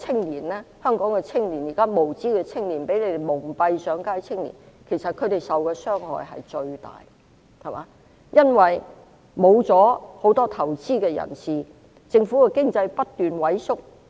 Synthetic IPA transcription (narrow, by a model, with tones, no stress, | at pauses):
t͡sʰɪ˥ŋliː˨˩nlɛː˥hœː˥ŋkɔː˨˥ŋkɛ˧t͡sʰɪ˥ŋliː˨˩njiː˨˩kaː˥mo˨˩wt͡siː˥kɛː˧t͡sʰɪ˥ŋliː˨˩npe˨˥jle˧d̪e˨jmʊ˨˩ŋpɐ˧jsœː˨˥ŋkaː˥˩jt͡sʰɪ˥ŋlḭː˨˩n | kʰe˨˩jsɐ˨t̚kʰɵ˨˧ɥt̪e˨jsɐ˨wkɛː˧sœː˥ŋhɔ̰ː˨˩jɦɐ̰˨jt͡ʃɵ˧ɥt̪a̰ː˨j | hɐ˨jmaː˨˦ | jɐ˥nwɐ˨j | mo˨˧wt͡sɔː˨˥ho˨˥wt̪ɔː˥t̪ʰɐ˨˩wt͡siː˥kɛː˧jɐ̰˨˩nsiː˨˩ | t͡sɪ˧ŋfuː˨˥kɛ˧kɪ˥ŋt͡sɐ˧jpɐ˥t̚t̪yː˨nwɐ˨˥jsʊ˥k̚